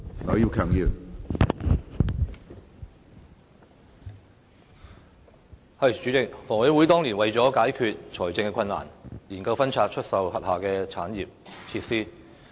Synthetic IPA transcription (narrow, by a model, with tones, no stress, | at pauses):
ŋɔ˨˥jiː˧wkʰœː˨˩ŋjiː˨˩w | hɐ˨˩jt͡ʃyː˨˥t͡sɪ˨k̚fɔː˨˩ŋhœ˨˥wuː˨˥jt̪ɔː˥ŋliː˨˩nwɐ˨jt͡sɔː˨˥kaː˨˥jkʰyː˨t̚t͡ʃʰɔː˨˩jt͡sɪ˧ŋkɛ˧kʰɐ˧nːa̰ː˨˩njiː˨˩nkɐ˧wfɐ˥nt͡sʰaː˧t̚t͡ʃʰɵ˥t̚sɐ˨whɐ˨t̚haː˨kɛː˧t͡sʰaː˨˥njiː˨p̚t͡sʰiː˧t̚siː˥